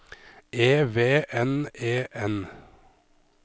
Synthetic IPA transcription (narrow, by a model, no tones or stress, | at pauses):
ʔeːʋeːʔɛneːʔɛn